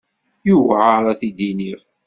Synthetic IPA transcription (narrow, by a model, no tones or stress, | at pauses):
juvʕaɾˤæθid̪iniʁ